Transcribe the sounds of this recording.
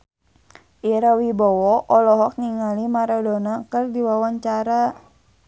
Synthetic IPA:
ʔiɾawibɔwɔʔɔlɔɦɔk̚niŋalimaɾɔdɔnakɨrdiwawaɲt͡ʃaɾa

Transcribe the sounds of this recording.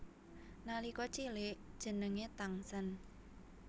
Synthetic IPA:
nalikɔt͡ʃilɪʔd̥ʒ̥ə̤nəŋet̪aŋsən

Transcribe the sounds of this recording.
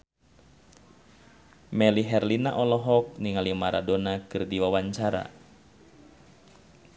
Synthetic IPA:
mɛliɦɛrlina̰ʔɔlɔɦɔk̚niŋalimaɾʔa̰donakɨrdiwawaɲt͡ʃaɾa̰

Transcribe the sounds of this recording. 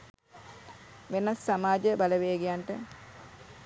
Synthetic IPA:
ʋenasːamaːd͡ʒəbaləʋejəɡijaɳʈə

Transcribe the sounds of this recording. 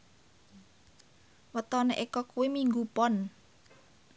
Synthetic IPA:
wət̪ɔneʔekɔkuwemiŋɡupɔn

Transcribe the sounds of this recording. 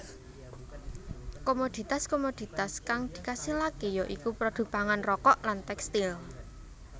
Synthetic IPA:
komod̪̥i̤t̪askomod̪̥i̤t̪askaŋd̪̥i̤kasilakejɔʔikupɾɔd̪̥ṳpaŋanrɔkɔʔlant̪ɛkst̪il

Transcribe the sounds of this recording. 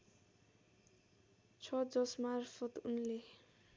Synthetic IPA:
t͡sʰʌd͡zʌsmarfʰʌt̪unle

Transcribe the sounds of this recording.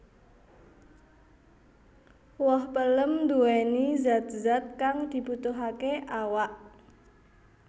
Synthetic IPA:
wɔhpələmd̪uenizat̪̚zat̪̚kaŋd̪̥i̤but̪uɦakeʔawaʔ

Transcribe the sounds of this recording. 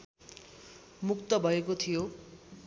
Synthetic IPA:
mukt̪ʌbʱʌekot̪ʰijo

